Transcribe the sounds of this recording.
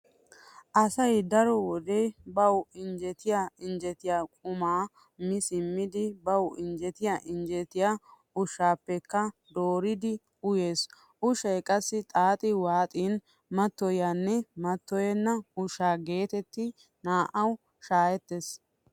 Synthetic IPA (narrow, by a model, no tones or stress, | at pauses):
ʔɐsɐjd̪ɐɾɔwɔd̪eːbɐwɪnd͡ʒɛt̪ɪjaɪnd͡ʒɛt̪ɪjaːkʼʊmaː | mɪsɪmːɪd̪ɪbɐwɪnd͡ʒɛt̪ɪjaʔɪnd͡ʒɛt̪ɪjaː | ʊʃːaːpːɛkːɐd̪o̞ːɾɪd̪ɪ | ʊje̞ːs | ʊʃɐjkʼɐsːɪt̪ʼaːt̪ʼɪwaːt̪ʼiːn | mɐt̪ːɔjaːnːɛmɐt̪ːɔjɛnːɐʊʃːaːɡe̞ːt̪ɛt̪ːɪ | naːʔɐw | ʃaːjɛt̪ːes